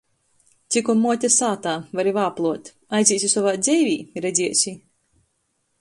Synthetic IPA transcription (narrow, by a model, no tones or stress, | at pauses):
t̪sʲikɔmːuɔt̪ʲɛsaːt̪aːvaɾivaːplˠuɔt̪ | ajdzʲiːsʲisɔvaːd̪zʲɛjvʲiːɾɛd̪zʲiɛsʲi